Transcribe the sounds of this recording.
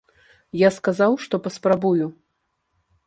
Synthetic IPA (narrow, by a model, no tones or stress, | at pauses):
jaskazawʂt̪ɔpɐspɾabuju